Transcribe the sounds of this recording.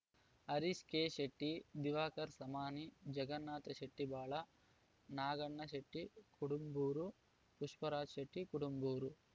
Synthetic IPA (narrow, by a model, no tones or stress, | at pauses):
ɐɾiskeːʃeʈːid̪iʋaːkɐɾsɐmaːnid͡ʒɐɡɐnːaːt̪ɐʃeʈːibaːɭɐ | naːɡɐɳːɐʃeʈːikuʈumbuːɾu | puʂpɐɾaːd͡ʒʃeʈːikuɽumbuːɾu